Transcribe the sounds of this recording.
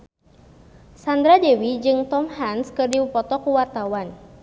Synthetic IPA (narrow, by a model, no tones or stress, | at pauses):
sand̪ɾadewid͡ʒɨŋt̪ɔmhanskɨrdiwupɔt̪ɔkuwart̪awan